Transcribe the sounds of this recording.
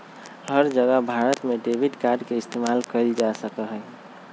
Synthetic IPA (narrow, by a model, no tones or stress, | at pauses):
ɡʱəɾd͡ʒəɡabʱaɾət̪meɖebʱiʈkaɖkeist̪emalkəɾid͡ʒasəkəlɦəj